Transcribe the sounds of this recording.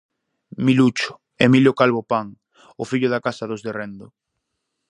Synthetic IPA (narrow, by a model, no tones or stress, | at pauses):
milut͡ʃʊ̥ | emiljokalβopaŋ | ʊfiʎʊðakasaðozðerend̪ʊ